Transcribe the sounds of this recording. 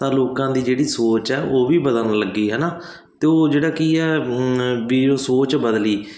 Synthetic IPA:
t̪ãːloːkãːd̪iːd͡ʒeːɽiːsoːt͡ʃɛːʔoːʋiːbəd̪ənləɡːiːɦɛːnaː | t̪eːoːd͡ʒeːɽaːkiːɛː | biːd͡ʒõːsoːt͡ʃbəd̪liː

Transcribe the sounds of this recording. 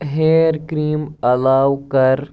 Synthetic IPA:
ɦeːɾkɾiːmɐlaːwkɐɾ

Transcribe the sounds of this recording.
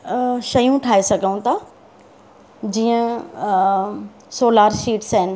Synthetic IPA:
ʃɐjũʈʰaːesɐɡʱəũt̪ʰaː | d͡ʑiːə̃ | soːlaːɾʃiːʈsəɦɪnɪ̆

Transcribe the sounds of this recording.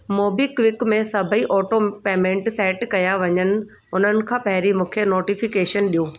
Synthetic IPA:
moːbiːkʋɪkmẽsɐbʱəiʔɔːʈopeːmẽːɳʈsɛːʈkɐjaʋɐɲənɪ̆ | ʊn̤ənɪ̆kʰãːpɐɦɪɾimũːkʰenoːʈifɪkeːʃənɗijoː

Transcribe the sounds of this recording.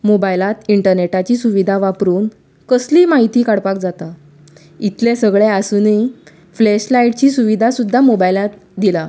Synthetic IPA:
mobajlat̪iɳʈəɾneʈat͡ɕiːsuʋid̪ʱaʋapɾuːn | kəsliːmaɦit̪iːkaɽpak̚d͡zat̪a | it̪lesəɡɭeasuni | fleɕlaiʈ̚t͡ɕiːsuʋid̪ʱasud̪ʱːamobajlat̪̚d̪ila

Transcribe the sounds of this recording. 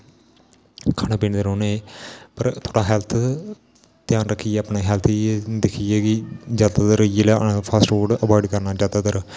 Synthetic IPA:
kʰaːneːpiːnd̪əɾoːneːpəɾt̪ʰoːɽaːɦɛːlt̪ʰ | t̪ɪjaːnɾəkʰːiːeəpneːɦɛːlt̪ʰid̪ɪkʰiːeːɡid͡ʒjaːd̪aːd̪əɾjeːlːpʰaːsʈʋoːɖəbaːɪɖkəɾnaːd͡ʒjaːd̪aːd̪əɾ

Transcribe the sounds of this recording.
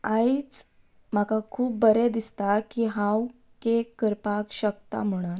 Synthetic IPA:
ait͡s | m̤akakʰuːp̚bəɾed̪ist̪akiɦãw | kekəɾpakɕəkt̪a̰m̤əɽ̃ən

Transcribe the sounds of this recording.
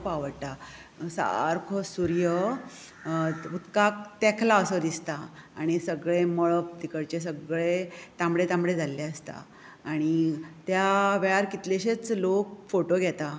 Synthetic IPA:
paʋəɽt̪a | sa̰ɾkʰosuɾjə | ut̪kak̚t̪ɛkʰlaəsəd̪ist̪aaɽ̃isəɡɭeməɭəp̚t̪ikəɽt͡ɕes̬əɡɭet̪ãmɽet̪ãmɽed͡zʱalːeəst̪a̰ː | ɽ̃it̪jaʋɛɭaɾkit̪leɕet͡slokfoʈoɡʱɛt̪a

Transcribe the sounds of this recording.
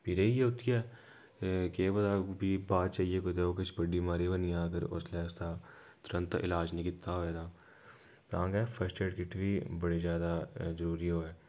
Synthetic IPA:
pʰɪɾeijeʊt̪iɛː | keːbɐd̪abibaːt̪̚t͡ʃaːɦijekod̪eokɪt͡ʃʰbɐɽimaːɾibɐniãːɡəɾʊ̰slɛːst̪a | t̪ʊɾə̃nt̪ʔɪ̰laːd͡ʒnɪkɪt̪ːaʋɛːd̪aː | t̪ãːɡɛfʰɐsʈeːʈkɪʈʰbibɐɽizjaːd̪azəɾuːɾiɦoːɛː

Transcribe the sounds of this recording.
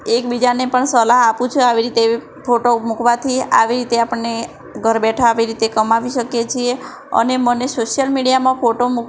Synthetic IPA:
ekbid͡ʒanepəɳsəlaɦapũt͡ʃʰeaʋiɾit̪e | pʰoʈomukʋat̪ʰia̰ʋiɾit̪eapəɳːe | ɡʱəɾbɛʈʰaːʋiɾit̪ekəmaʋiʃəkjet͡ʃʰie | ə̰nemənesoʃijəlmiɽijamãpʰoʈomuk

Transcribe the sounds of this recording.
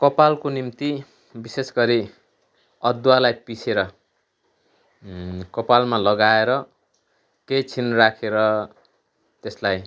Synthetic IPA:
kʌpalkonimt̪i | bisesɡʌɾi | ʌd̪walajpisʰeɾʌ | kʌpalmalʌɡaeɾʌ | kejt͡sʰinrakʰeɾʌ | t̪eslaj

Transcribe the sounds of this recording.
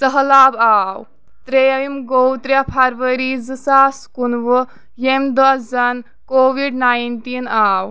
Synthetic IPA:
təɦlaːbaːw | t̪ɾeimɡowt̪ɾʲjapʰaɾʋəɾizɨsaskunʋɨ | jemd̪ɐsd͡zɐn | koʋiɖnajnʈinaːw

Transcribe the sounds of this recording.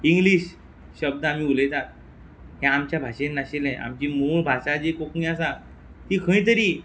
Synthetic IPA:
iŋɡliːɕ | ɕəb̚d̪əamiːulet̪at̪̚ | ɦjãamt͡ɕjabʱaɕẽnːaɕelẽʔa̰mt͡ɕiːmuɭbʱaɕad͡ʑekoknĩasa | t̪ikʰə̃ĩt̪̬əɾi

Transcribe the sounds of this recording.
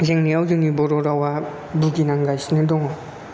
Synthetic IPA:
zeŋniawzɯŋibɔɾɔɾawa | buɡinaŋɡajsnedɔŋa

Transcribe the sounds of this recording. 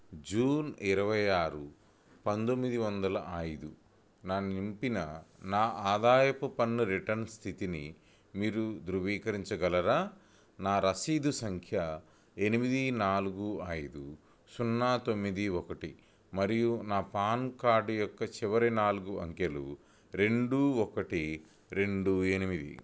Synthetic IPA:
d͡ʒuːniɾɐʋɐjaːɾu | pɐnd̪omːid̪iʋɐnd̪ɐlɐʔɐjd̪u | nanimpinɐnaːʔaːd̪aːjɐpupɐnːuɾiʈɐnst̪ʰit̪inḭ | miːɾud̪ɾuʋiːkɐɾiɲt͡ʃɐɡɐlɐɾaː | naːɾɐsiːd̪usɐŋkʰjɐ | e̞nimid̪inaːluɡuɐjd̪u | sunːaːt̪o̞mːid̪iɔkɐʈi | mɐɾijunaːpaːnkaːɖjɔkːɐt͡ʃiʋɐɾinaːluɡuɐ̰ŋkjɐlṵ | ɾe̞ɳɖuɔkɐʈi | ɾe̞ɳɖue̞nimid̪ḭ

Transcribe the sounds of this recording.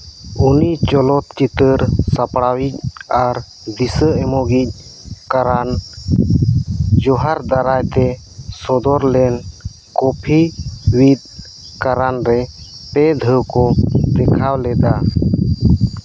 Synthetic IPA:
unit͡ʃɔlɔt̪t͡ʃit̪əɾsapɽawic̚aɾ | d̪isəɛmɔɡic̚kaɾan | d͡ʒɔɦaɾd̪aɾajt̪ɛ | sɔd̪ɔɾlɛn | kɔpʰiwit̪̚ | kaɾanɾɛpɛd̪ʱəwkɔd̪ɛkʰawlɛd̪a

